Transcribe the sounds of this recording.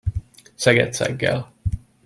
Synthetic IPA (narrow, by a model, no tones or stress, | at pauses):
sɛɡɛ̰t̪sɛ̰ɡːɛ̰l